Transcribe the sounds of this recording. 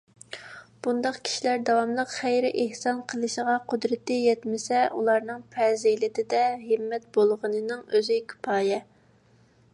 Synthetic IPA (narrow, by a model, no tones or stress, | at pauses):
b̥und̪ɑqkʲʰi̥ʃilæɾd̪ɑwɑmlˠəqχæjɾɪʔehsɑnqʰəlˠɨʃəʁɑqʰʊd̪ɾɨt̪ɨjɛt̪mɪsɛʔulˠɑɾnɨŋpʰɛzelɪt̪ɪd̪ɛɦəmːɛt̪̚bolˠʁənɨnɨŋøzɪkʲʰy̥pʰɑːjɛ